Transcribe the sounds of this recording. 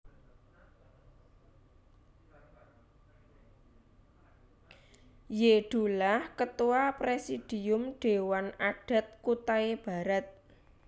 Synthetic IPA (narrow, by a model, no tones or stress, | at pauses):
jeɖ̥ṳlahkət̪uwapɾesid̥iʊmɖ̥e̤wanaɖ̥a̤t̪̚kut̪aeb̥a̤ɾat̪̚